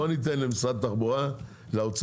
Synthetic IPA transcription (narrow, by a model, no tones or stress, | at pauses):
onit̪enlemisʁad̪̚t̪aχboʁa | laot͡s